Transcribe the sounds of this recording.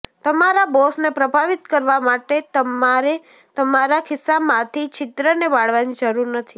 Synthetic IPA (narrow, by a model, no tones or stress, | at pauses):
t̪əmaɾabɔsnepɾəbʱaʋit̪kəɾʋamaʈet̪əmaɾe | t̪əmaɾakʰɪsːamãt̪ʰit͡ʃʰɪt̪ɾəneʋaɽʋanid͡ʒəɾuɾnət̪ʰi